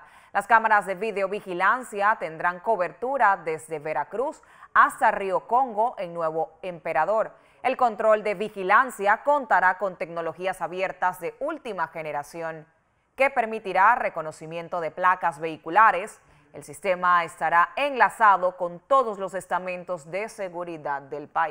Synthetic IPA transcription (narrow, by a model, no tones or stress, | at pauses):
lʔaskamaɾazðe̞βiðeo̞βixilansjat̪e̞nd̪ɾaŋko̞βe̞ɾt̪uɾaðe̞zðe̞βe̞ɾakɾus | ast̪ario̞ko̞ŋɡo̞ʔe̞ŋnwe̞β̞o̞empe̞ɾaðo̞ɾ | e̞lko̞nt̪ɾo̞ld̪e̞βixilansjako̞nt̪aɾako̞nt̪e̞kno̞lo̞xiasaβje̞ɾt̪azðe̞ult̪imaxe̞ne̞ɾasjo̞ŋ | ke̞pe̞ɾmit̪iɾare̞ko̞no̞simjẽ̞nt̪o̞ðe̞plakazβe̞ikulaɾe̞s | elsist̪e̞maest̪aɾae̞ŋlasaðo̞ko̞nt̪o̞ðo̞slo̞se̞st̪amẽnt̪o̞zd̪e̞se̞ɣuɾiðad̪ːe̞lpai